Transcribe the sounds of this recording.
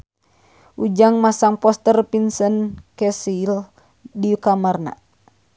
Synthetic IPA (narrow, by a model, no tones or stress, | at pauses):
ʔud͡ʒaŋmasaŋpɔst̪ərpinsənkɛsil | diukamarna̰